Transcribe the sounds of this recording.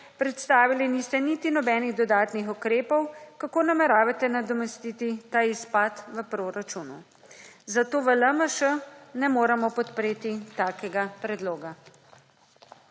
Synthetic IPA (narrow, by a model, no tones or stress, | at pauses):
pɾɛt̪st̪aːʋilinist̪ɛnit̪inɔbɛːniɣd̪ɔd̪aːt̪nixukɾeːpɔwkakoːnamɛɾaːʋat̪ɛnad̪ɔmɛst̪iːt̪it̪aːispaːt̪ʋəpɾoːɾat͡ʃunṵ | zat̪oːʋələməʃənɛmoːɾɛmɔpɔt̪pɾeːt̪it̪aːkɛɡapɾɛd̪loːɡa